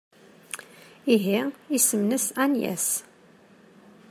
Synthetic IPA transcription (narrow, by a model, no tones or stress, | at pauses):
iɦiisəmnəsænjæ̰s